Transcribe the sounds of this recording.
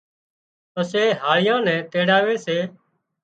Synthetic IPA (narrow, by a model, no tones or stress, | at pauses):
əseːɦaːɭɪjãːnɛ̃ːt̪eːɽaːʋeːseː